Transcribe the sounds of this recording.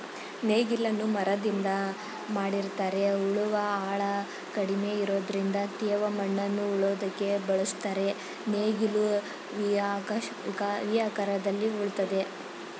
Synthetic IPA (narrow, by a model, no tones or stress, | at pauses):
neːɡilːɐnːumɐɾɐd̪ind̪ɐ | maːɽiɾt̪aːɾe̞uɭuʋɐaːɭɐ | kɐɽime̞iɾo̞ːd̪ɐɾind̪ɐt̪eːʋɐmɐɳːɐnːuːɭoːd̪ɐkːe̞bɐɭust̪aːɾe̞ | neːɡilu | ʋak | kɐʋijaːkɐɾɐd̪ɐlːiuɭt̪ɐd̪e̞